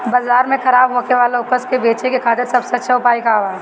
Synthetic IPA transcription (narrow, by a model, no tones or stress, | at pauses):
baːzaːɾmẽxɐɾaːbɦoːkeʋaːleʊkəskebeːt͡ʃekekʰaːt̪ɪɾsɐbseɐtːʃʰaʊpaːikaoaː